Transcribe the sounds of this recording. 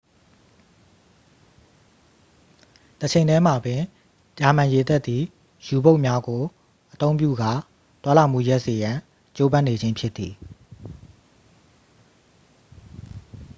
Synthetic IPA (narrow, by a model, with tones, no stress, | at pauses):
t̪ət͡ɕʰẽ˨ɪ̃dɛ˦m̥a˨bɪ̃˨ | t͡ɕa˨mã˨je˨t̪ɛ˦t̪ði˨ | ju˨bo˦ʊʔmja˦ɡo˨ | ʔət̪õ˦ʊ̃mp̬jṵ˦˨ɡa˦˨ | t̪wa˦la˦˨m̥ṵ˦˨ja˦ʔse˨jã˨ | t͡ɕo˦bã˦ne˨d͡ʑẽ˦mpʰjɪ˦t̪ːi˨